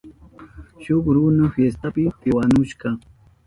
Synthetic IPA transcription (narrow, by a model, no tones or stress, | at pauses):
ʃʊkɾunʊfjest̪apɪt̪ɪwanʊʃkɑ